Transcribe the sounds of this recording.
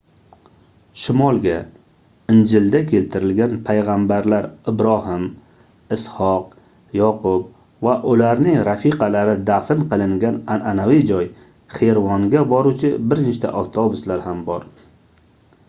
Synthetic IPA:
ʃɪmɒlˠɡʲa | ɪnd͡ʒɪld̪akʲʰe̞lt̪ʰɪɾɪlɡʲanpʰajʁambaɾlaɾɪbɾɒhɪm | ɪshɒq̚ | jɒqʊb | vaʔʊlaɾnɪŋɾafiqɑlaɾɪd̪afɪnqɨlˠɪŋɡʲanananavid͡ʒɒj | χeɾvɒŋɡʲabɒɾut͡ʃʰɪbɪɾnet͡ʃt̪ʰa̰ʔɒft̪ʰobʊslaɾhambɒɾ

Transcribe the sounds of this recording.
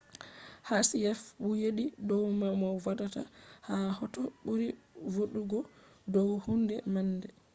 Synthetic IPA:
hasiɛfbujeɗidɔwmamɔwadata̰hahɔtɔɓuɾivoɗuɡɔ | dɔwhundɛmanːdɛ

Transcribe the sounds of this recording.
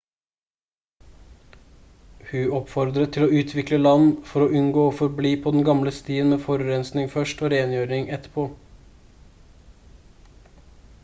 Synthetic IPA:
hʉːɔpfɔɾd̪ɾət̪ʰːɪloːʉːt̪ʰʋɪkləlɑnfɔɾoːʔʉnɡoːoːfɔɾbliːpʰɔːd̪ɛnɡɑmləst̪iːənmeːfɔɾʉɾɛnsnɪŋfœʂʈoːɾeːnjøːɾɪŋʔɛt̪ːə̥pʰoː

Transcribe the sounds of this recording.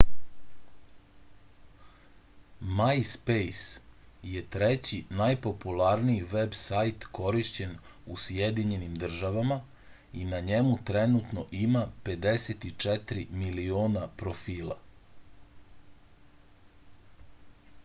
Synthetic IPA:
majspejsje̞t̪ɾet͡ɕinajpo̞pulaɾniiʋebsajt̪ko̞ɾiʃt͡ɕe̞nusjed̪iɲe̞nimd̪r̩ʒaʋama | inaɲemut̪ɾenut̪no̞ʔimape̞d̪e̞set̪it͡ʂɛt̪ɾimilioːnapɾo̞fiːlˠa̰

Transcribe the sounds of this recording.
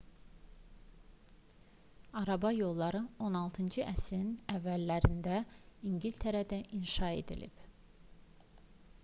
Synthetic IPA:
ɑɾɑbɑjo̞lˠːɑɾɯo̞nɑlˠt̪ʰɯnd͡ʒɯʔæsiɾinævːælːæɾind̪æiŋɡilt̪ʰeɾæd̪æʔinʃɑe̞̰d̪ḭlḭb̥

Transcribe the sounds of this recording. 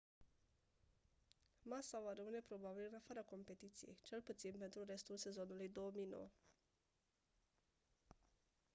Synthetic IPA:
masavaɾəmɨne̞pɾo̞babilɨnafaɾako̞mpe̞t̪it̪sije̞̰jt͡ʃe̞lput̪sinpe̞nt̪ɾuɾe̞st̪ulse̞zo̞nulujd̪o̞womijno̰wə

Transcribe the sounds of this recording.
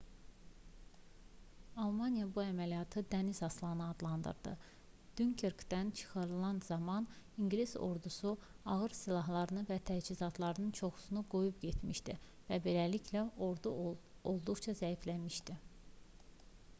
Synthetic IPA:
ɑlˠmɑnijɑbuæmælijɑt̪ʰɯd̪ænizɑslˠɑnɯɑd̪lˠɑnd̪ɯ̰ɾd̪ɯ̰ | d̪̥yŋkʰeɾkd̪ænt͡ʃʰɯ̥xɑɾɯlˠɑnzɑmɑn | iŋɡlizo̞̰ɾd̪usu | ɑɣɯɾsilˠɑɦlˠɑɾɯnɯvæt̪ʰæd͡ʒizɑt̪ʰlˠɑɾɯnɯnt͡ʃʰo̞xu̥sunuɡo̞jubpɟe̞t̪miʃd̪i | væbe̞læliçʰlæoɾd̪uo̞lˠd̪uɣt͡ʃʰɑzæiflæmiʃd̪i

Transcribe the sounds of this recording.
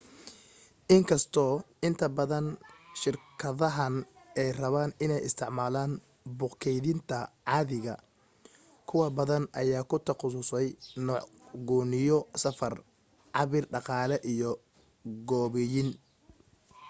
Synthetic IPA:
ʔɪŋkʰɐst̪ʰɔːɪnt̪ʰɐbɐðɐnʃɪrkʰɐðɐɦɐnʔɛjrɐβaːnɪnɛjɪst̪ʰɪʕmaːlaːn | bʊqkʰɛjðɪnt̪ʰɐʕɑːðɪɣɐ̰ | kʰʊwɐbɐðɐnʔɐjaːkʰʊt̪ʰɐqʊsʊsɛjnɔːʕ | ɡɔːnɪjɔsɐfɐr | ʕɑβɪrɖɑqɑːlɛʔijɔ | ɡɔːβɛjɪn

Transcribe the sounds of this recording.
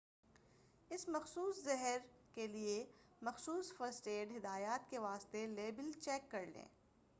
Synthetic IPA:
ɪsmɐxsuːszɐɦɛɾkelie | mɐxsuːsfɐɾsʈeːɖɦɪd̪aːjaːt̪keʋaːst̪eleːbɪlt͡ʃɛːkːɐɾlḛ̃ː

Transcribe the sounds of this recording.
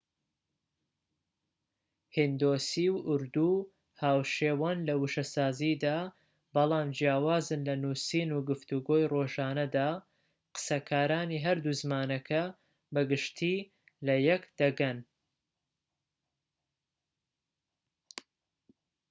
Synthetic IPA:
hind̪oːsiːwʔʊɾd̪u | haːwʃeːwaːnlɐwuʃɐsaːziːd̪aː | bɐlˠaːmd͡ʒijaːwaːzɨnlɐnuːsiːnuɡɨft̪uɡo̞ːjroːʒaːnɐd̪aː | qɨ̥sɐkʰaːɾaːniːɦɐɾd̪uzɨmaːnɐkʰɐ | bɐɡɨʃt̪ʰiː | lɐjɛkd̪̥ɐɡɐn

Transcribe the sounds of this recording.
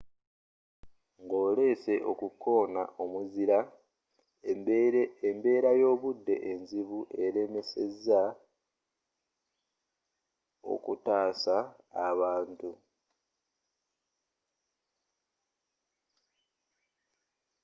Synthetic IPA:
ŋɡo̞ːle̞ːse̞ʔo̞kukʰːo̞ːna̰ʔomuziɾa | embe̞ːɾajo̞ːβudːe̞̰ʔːnziβuʔe̞ɾe̞me̞se̞za | o̞̰kutaːsaaβaːntu

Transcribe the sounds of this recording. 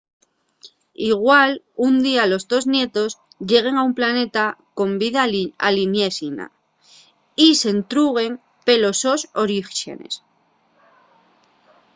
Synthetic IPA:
iɣwal | und̪ialo̞zðo̞znje̞t̪o̞s | ʎe̞ɣ̞e̞ŋaumplane̞t̪ako̞mbiðaa̰linje̞sina̰ | ise̞nt̪ɾuɣe̞ŋ | pe̞lo̞so̞soɾiʃe̞̰nḛs

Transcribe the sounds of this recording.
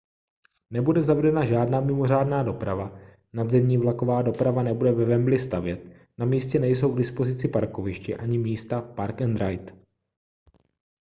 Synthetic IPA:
nɛbudɛzavɛdɛnaʒaːdnaːmɪmo̞r̝aːdnaːdo̞pɾava | nad̪zɛmɲiːvlako̞vaːdo̞pɾavanɛbudɛvɛvɛmblɪst̪avjɛt̪̚ | namiːscɛnɛjs̬o̞wɡdɪspo̞zɪt͡sɪpaɾko̞vɪʃcɪʔaɲɪmiːst̪apaɾkɛnd̪ɾajt̪

